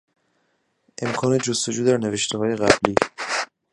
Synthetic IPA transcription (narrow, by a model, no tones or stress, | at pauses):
ʔe̞mkʰɒːne̞d͡ʒost̪o̞d͡ʒuːd̪æɾneve̞ʃt̪ʰeɦɒːje̞ɣæ̰bliː